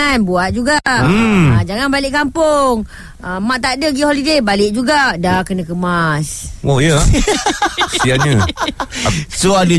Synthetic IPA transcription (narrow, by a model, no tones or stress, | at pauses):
anbuat̪̚d͡ʒuɡaʔəd͡ʒaŋanbalɪʔkampʊŋ | əmaʔt̪aʔdəɡiholidebalɪʔ̚d͡ʒuɡaʔdakənãkəmasojə | sianɲə | soada